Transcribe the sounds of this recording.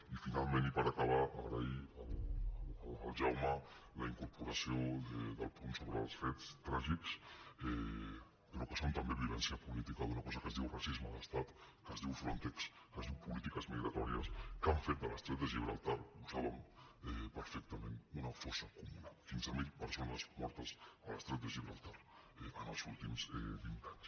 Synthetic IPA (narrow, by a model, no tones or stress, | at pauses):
ifinalˠmẽnipəɾakaβ̞aa̰ɣɾəiəl | əlˠʒawmələiŋkuɾpuɾasioðəðəlˠpunsoβɾə̰lˠsfɛtt͡st̪ɾaʒiksɛ | pəɾɔkəsont̪ambeβiβɛnsiəpulit̪ikaðunakɔzakəzðiwrasizmaləst̪at̪ | kəzðiwfɾont̪ɛks | kəzðiwpulit̪ikəzmiɣɾat̪ɔɾjəskaɱfet̪̚d̪əlast̪ɾɛt̪əʒiβɾalˠt̪aɾuzaβəmɛpəɾfɛk̚t̪əment̪unafɔsakumunafinzamiʎpəɾsonəsmɔɾt̪əsaləst̪ɾɛt̪əʒiβɾalˠt̪aɾɛənalˠzulˠt̪imzɛ̰bint̪aɲs